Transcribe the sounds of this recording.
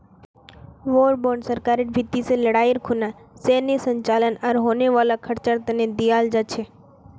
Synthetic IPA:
ʋoɾboɾɳɖsəɾkaɾiʈbʱit̪ːiseləɽaiɾkʰunasenisəɲt͡ʃalənəɾɦoneʋalakʰəɾt͡ʃəɾt̪əned̪iald͡ʒət͡ʃʰe

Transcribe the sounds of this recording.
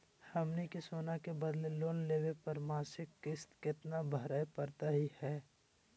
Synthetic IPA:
həmnikesoːnakebəd̪leloːnleːʋepɐɾmaːsɪkːɪst̪kɪt̪nabʱəɾaːepəɾt̪aɦihɛː

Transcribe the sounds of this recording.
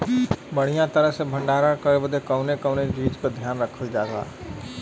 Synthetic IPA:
bəɽ̤̃ijãt̪əɾəɦsebʱə̃ɳɖaːɾakəebəd̪ʱekəʊnekəʊned͡ʒiːd͡ʒkəd̪ʱjaːnɾəkʰəld͡ʒaːza̰ː

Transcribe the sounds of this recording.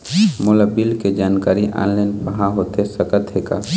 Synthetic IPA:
mʊlabilked͡ʒaːnkaːɾiʔʔa̰ːnlaːnpəɦãɦoːt̪esəkət̪ɦeka̰

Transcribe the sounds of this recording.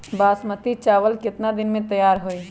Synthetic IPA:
baːsmət̪it͡ʃaːʋəlkɪt̪nad̪ɪnmẽt̪əjaːɾɦoi

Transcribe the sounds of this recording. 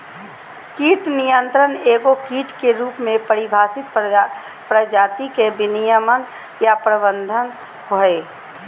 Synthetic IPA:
kiːʈnijə̃nt̪ɾəneːɡokiːʈkeɾuːpmẽpəɾɪbʱaːsɪt̪̚ | pɾəd͡ʒaːt̪ikebɪnijəmən | japɾəbə̃nd̪ʱən | ɦoe

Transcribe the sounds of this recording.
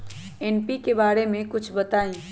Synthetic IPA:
ɛnpikebaːɾemẽkʊt͡ʃʰbɐt̪aːẽ

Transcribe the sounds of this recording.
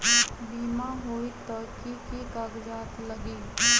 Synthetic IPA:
biːmãɦoːit̪ɐɾkikikaɡd͡ʒaːt̪ləɡiː

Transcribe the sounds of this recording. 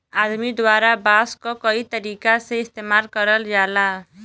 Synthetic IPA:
ad̪mid̪waɾabaskokʌit̪ʌɾikaseist̪emalkʌɾʌljala

